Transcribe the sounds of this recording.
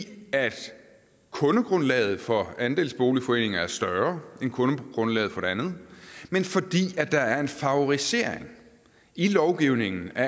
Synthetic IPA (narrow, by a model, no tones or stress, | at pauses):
æd̥ | kʰɔ̽nəɡ̥ʁɔ̽nlɛ̰ːð̞̩ˠfɒ̽ænd̥e̝ːlsb̥o̝ːlifɒ̽e̝̰ːne̝ŋɐæɐsd̥ɶɐenkʰɔ̽nəɡ̥ʁɔ̽nlɛ̰ːð̩ˠfɒ̽ɾ̥e̝ænð̩ˠmenfɒ̽d̥ḭːæd̥ɑ̈æɐe̝nfɑ̈oʁise̝ːɐ̰eŋ | ilɒʊɡ̥iʊ̰ne̝ŋn̩æɐ